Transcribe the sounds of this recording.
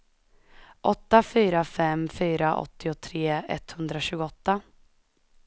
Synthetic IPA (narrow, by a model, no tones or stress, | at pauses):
ʔɔt̪ːafyːɾafɛmfyːɾaʔɔ̰t̪ːɪʊt̪ʰɾeːɛ̰t̪ːhɵnd̪ɾaɕʉ̟ːɡɔt̪ːa